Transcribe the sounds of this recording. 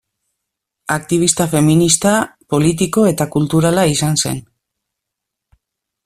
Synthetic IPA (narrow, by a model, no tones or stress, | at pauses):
ak̚t̪iβ̞ist̪afe̞minist̪apo̞lit̪̬iko̞e̞t̪akult̪uɾalaisanse̞̰n